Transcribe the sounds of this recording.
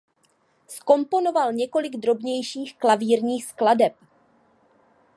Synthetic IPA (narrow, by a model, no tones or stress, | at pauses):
sko̞mpo̞no̞valɲɛko̞lɪɡd̪ɾo̞bɲɛjʃiːxklaviːɾɲiːxskladɛp